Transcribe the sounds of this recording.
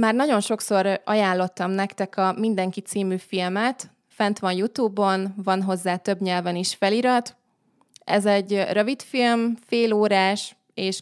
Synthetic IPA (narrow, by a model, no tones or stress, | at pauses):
maːrnɒɟo̞nʃo̞kso̞ɾɒjaːlːo̞t̪ːɒmnɛkt̪ɛkɒmind̪ɛŋkit̪siːmyːfilmɛt̪ | fɛnt̪ʋɒnjut̪uːbo̞nvɒnɦo̞zːaːt̪ø̞bɲɛlvɛniʃfɛliɾɒt̪ | ɛ̰zɛɟrøvit̪filmfeːloːɾaːʃ | eːʃ